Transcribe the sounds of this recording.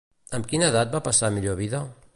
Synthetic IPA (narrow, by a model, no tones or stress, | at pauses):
əmkinəðat̪̚bapasamiʎoβiða